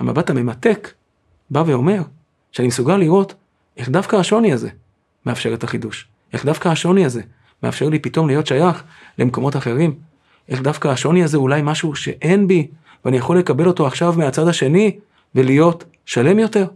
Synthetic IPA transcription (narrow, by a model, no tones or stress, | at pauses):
hama̰batame̞mat̪e̞k | bave̞o̞me̞ʁ | ʃeanimesuɡaliʁo̞t | ʔe̞χd̪afkaːʃo̞niaze̞ | me̞afʃe̞ʁetaχiduʃ | ʔe̞χd̪afkaaʃo̞niaze̞ | me̞a̰fʃe̞ʁlipito̞mlijo̞tʃajaχ | le̞mko̞mo̞taχe̞ʁim | ʔe̞χd̪afkaːʃo̞niazeulajmaʃuʃe̞̰ʔe̞nbi | veanijaχo̞lːe̞kabe̞lo̞toaχʃavmeat͡sad̪aʃe̞ni | ve̞lijo̞t | ʃale̞mjo̞te̞ʁ